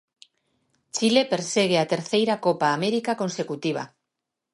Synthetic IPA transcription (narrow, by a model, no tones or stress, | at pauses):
t͡ʃilepeɾseɣ̞eat̪eɾθejɾakopaːmeɾikakonsekut̪iβ̞a̰